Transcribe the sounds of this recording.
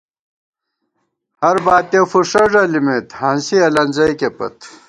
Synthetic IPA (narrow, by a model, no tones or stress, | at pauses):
hɐɾbaːt̪efuʂɐʐɐlimet̪hɐnsiɐlɐnzɐjkepɐ̰t̪